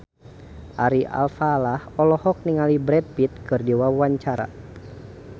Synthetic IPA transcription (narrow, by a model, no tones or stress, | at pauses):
ʔaɾiʔa̰lfalahɔlɔhɔk̚niŋalibɾɛt̪̚pit̪̚kɨrdiwawaɲt͡ʃaɾa̰